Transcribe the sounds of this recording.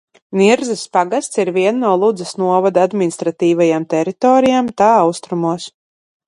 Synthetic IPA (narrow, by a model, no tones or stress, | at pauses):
niɾzɐspaɡast̪siɾviɛnːuɔlˠud̪zɐsnuɔvad̪ad̪minist̪ɾat̪iːvajamt̪ɛɾit̪ɔːɾijaːmt̪aːawst̪ɾumuɔs